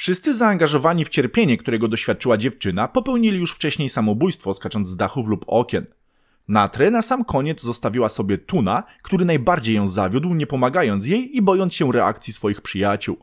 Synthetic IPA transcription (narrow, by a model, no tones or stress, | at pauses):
fʂɘst̪sɘzaːŋɡaʐɔvaɲift͡ɕɛɾpʲjeɲɛkt̪uɾɛɡɔd̪ɔɕfʲjat̪̚t͡ʂɘwad͡ʑɛft͡ʂɘnapɔpɛwɲilʲijuʂft͡ʂɛɕɲejsamɔbujst̪fɔskat͡ʂɔnd̪axuflupɔ̰kʲɛnː | at̪ɾɛnasamkʰɔɲɛd̪zzɔst̪avʲiwasɔbʲjɛt̪unakt̪uɾɘnajbaɾd͡ʑejːɔ̃w̃zavʲjud̪wɲɛpɔmaɡajɔnt̪sjejibɔjɔnsɕɛɾɛa̰kt̪sʲjisfɔjixpʂɘjat͡ɕṵw